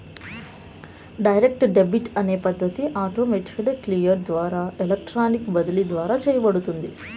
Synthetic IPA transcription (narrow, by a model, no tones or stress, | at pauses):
ɖɐjɾek̚ʈɖebiʈɐneːpɐd̪ʱːɐt̪iʔaːt̪oːmeʈʂɐɽɐklijɐɾd̪ʋaːɾaːelɐk̚ʈɾaːnikbɐd̪ɐlid̪ʋaːɾaːt͡ʃeːjɐbɐɽut̪und̪i